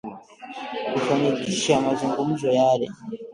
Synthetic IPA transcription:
kufanikiʃeamaziŋɡumuʒojaɾe

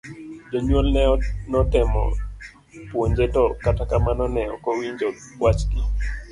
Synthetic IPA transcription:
d͡ʒoɲwolnɛɔnɔtɪmɔ̰ | pwoɲd͡ʒetɔkatakamanɔnɛɔkɔwiɲd͡ʒɔ | wat͡ʃki

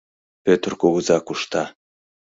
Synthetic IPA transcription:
øt̪ə̆rkoɣə̆zɑkuʃt̪ɑ

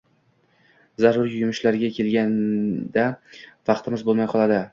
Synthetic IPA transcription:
zaɾʊɾjʊmɪʃlaɾɡʲakʲʰe̞lɡʲand̪avɑqt̪ʰɪmɪzbolˠmajqʰɒlˠad̪ɪ

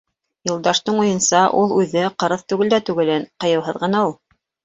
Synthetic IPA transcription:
jŏlˠd̪ɑʃt̪ɤɴujɤ̆nsɑʔulˠʉðɘqɤ̆ɾɤθt̪ʉɡɘld̪æt̪ʉɡɘ̆lɘnqɤ̆jɤ̆wɦɤ̆ðʁɤ̆nɑulˠ

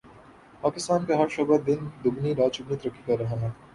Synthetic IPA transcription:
paːkɪst̪aːnkaɦɐɾʃɐbəɾd̪ɪnd̪ʊɡniɾaːt͡ʃʊɡnit̪ɐɾɐkːikɐɾːɐɦaɦɛː

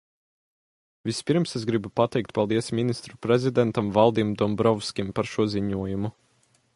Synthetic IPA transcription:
vʲispʲiɾmsezɡɾibupat̪ɛjkt̪̚palˠd̪iɛsmʲinist̪ɾupɾezʲid̪ɛnt̪amvalˠd̪iːmd̪ɔmbɾɔwskʲimpaɾʃuɔziɲuɔjumu

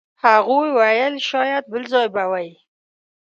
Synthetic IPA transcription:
haɣojwajəlʃɑjad̪̚bəlzɑjbawaj

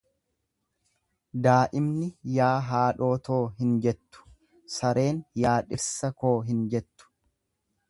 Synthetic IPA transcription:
d̪aːʔɪmnɪjaːɦaːᶑo̞ːt̪o̞ːɦɪnd͡ʒɛt̪ːʊ̥ | sɐɾe̞ːnjaːᶑɪɾsɐkoːɦɪnd͡ʒɛt̪ːʊ̥

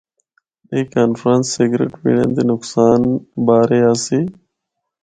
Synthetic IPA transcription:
eːkːaːnfɾãːnsːeɡɾḛʈmḭɳẽnd̪eːnʊksaːnbaːɾeːaːsiː

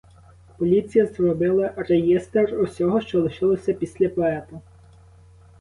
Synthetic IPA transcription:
pɔlʲit͡sʲijɐzrɔbɪlˠɐɾejest̪erɔsʲɔɦɔʃt͡ʃɔlˠɪʃɪlˠɔsʲɐpʲisʲlʲɐpɔɛt̪ʊ

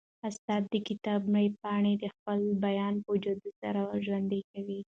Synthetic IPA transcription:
ast̪ɑd̪̚ːəkɪt̪ɑbmɽəjpɑɳed̪əxpəlbajɑnpəd͡ʒad̪əsa̰ɾaʒwand̪ekawi

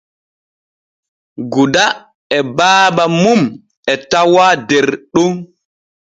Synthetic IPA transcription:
ɡuda | ɛbaːbamum | ɛtawadɛɾɗun

